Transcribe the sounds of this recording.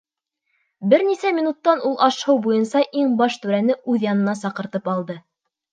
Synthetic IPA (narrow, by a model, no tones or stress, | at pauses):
bɘɾnisæmʲinut̪ːɑnulˠʔɑʃhɤwbujɤnsɑʔiŋbɑʃt̪ʉɾænɘʉðjɑnɤ̆nɑsɑqɤ̆ɾt̪ɤpɑlˠd̪ɤ